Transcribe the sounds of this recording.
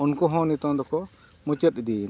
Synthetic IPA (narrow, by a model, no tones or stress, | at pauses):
unkɔɦɔ̃nit̪ɔ̃d̪ɔkɔ | mut͡ʃət̪̚id̪i